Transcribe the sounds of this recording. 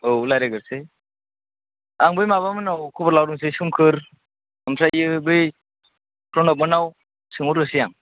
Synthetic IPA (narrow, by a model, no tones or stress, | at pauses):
owlajɾeɡɯɾsɯj | aŋbɯjmaβamɯnawkʰubʰɾlawɾuŋs̬ɯjsumkʰɯɾ | ɯmsʰajɯbɯj | pɾɔnɔk̚mɯnaw | sɯŋuɾɯsijaŋ